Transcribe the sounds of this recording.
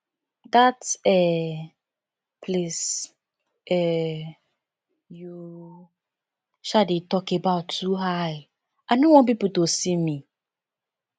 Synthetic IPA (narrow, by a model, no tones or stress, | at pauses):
datɛ | pʰles | ɛ | ju | ʃaditɔkebaʊtːuɦaɪ | aɪnowɔ̃np̬ipl̩tosimi